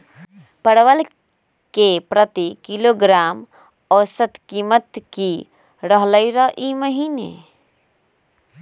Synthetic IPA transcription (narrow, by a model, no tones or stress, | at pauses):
pəɽʋəl | kepɾət̪ikiloɡɾaːm | ɔːsət̪kiːmət̪ki | ɾəɦləiɾəɦʔiməɦiːnḛ